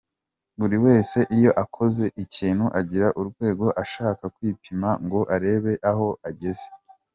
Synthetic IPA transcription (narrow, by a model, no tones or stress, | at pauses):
βuɾiwe̞ːse̞ʔijo̞ʔakʰo̞ze̞ʔiciːn̥huʔaɟiɾaʔuɾɡwe̞ːɡo̞ʔaʃaːkakwiːpʰimaŋɡo̞ʔaɾe̞ːβe̞ʔaɦo̞aɟe̞ze̥